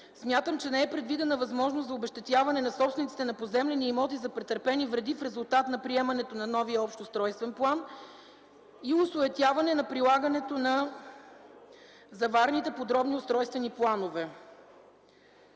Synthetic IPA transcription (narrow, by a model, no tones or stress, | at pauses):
smʲjat̪əmt͡ʃɛnɛɛpɾɛd̪vid̪ɛnəvɐzmɔʒnost̪zɐobɛʃt̪ɛt̪ʲjavɐnɛnɐsɔpsvɛnit̪it̪ɛnɐpozɛmlɛniːmɔt̪izɐpɾɛt̪əɾpɛnivɾɛd̪ifɾɛzʊlˠt̪at̪nɐpɾiɛmɐnɛt̪onɐnɔvijəɔpʃt̪ʊst̪ɾɔjst̪vɛnplˠan | iʊsʊɛt̪ʲjavɐnɛnɐpɾilˠaɡənɛt̪onɐ | zɐvaɾnit̪ɛpod̪ɾɔbniʊst̪ɾɔjst̪vɛniplˠanovɛ